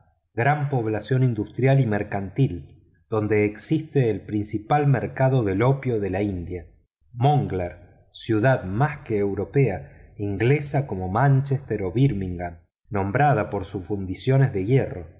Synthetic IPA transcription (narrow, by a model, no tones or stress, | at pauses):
ɡɾampo̞β̞lasjo̞nind̪ust̪ɾjalimeɾkant̪il | d̪̥o̞nd̪e̞ːksist̪eːlpɾinsipalmeɾkaðo̞ðe̞lo̞pjoðe̞laind̪ja | moŋɡlaɾ | sjuð̞aðmaskeːwɾo̞peaiŋɡlesako̞mo̞mant͡ʃest̪eɾo̞βiɾmiŋɡanː | õ̞mbɾað̞apo̞ɾsusfund̪isjo̞nezðe̞ɣjero̞